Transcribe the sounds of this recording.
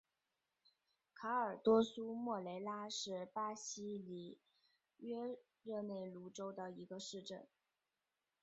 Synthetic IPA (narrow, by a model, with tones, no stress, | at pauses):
kʰa˧˥ə˞˨˩t̪wɔ˥su˥mwɔ˥˩le˧˥ɪla˥ʂɻ̩˥˧pa˥ɕi˥li˨˩ | ɥɛ˥ | ɻɤ˥˧ne˥˩ɪlu˧˥ʈ͡ʂo˥ʊd̪ə˨i˧˥ɡə˧ʂɻ̩˥˧ʈ͡ʂə˥˩n